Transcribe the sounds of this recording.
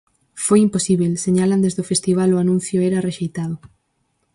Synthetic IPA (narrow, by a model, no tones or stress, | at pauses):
fojimposiβelseɲaland̪ezðofest̪iβ̞aloanũn̟θjʊɛɾareʃejt̪aðʊ